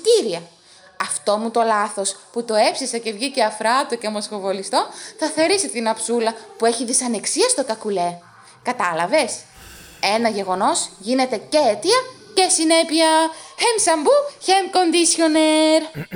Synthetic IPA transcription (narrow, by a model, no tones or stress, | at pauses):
t̪iɾiɐ | ɐft̪o̞mut̪o̞lɐθo̞sput̪o̞e̞fsisɐce̞vʝice̞ɐfɾɐt̪ocemosfovo̞list̪o̞θɐθe̞ɾisit̪inɐpsulɐpue̞çiðisɐne̞ksiɐst̪o̞kɐkule̞ | kɐt̪ɐlɐve̞s | e̞nɐʝe̞ɣo̞no̞zʝine̞t̪e̞ce̞et̪iɐce̞sine̞piɐemsɐmbuçemko̞nd̪isço̞neɾ